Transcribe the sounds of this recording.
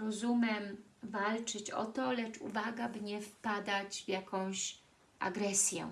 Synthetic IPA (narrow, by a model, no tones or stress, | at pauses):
ɾɔzumʲjɛmvalt͡ʂɘt͡ɕɔ̰t̪ɔlɛt͡ʂṵvaɡabɲɛfpad̪ad͡ʑvjakʰɔ̃w̃ɕ | ʔa̰ɡɾɛsʲjɛ̰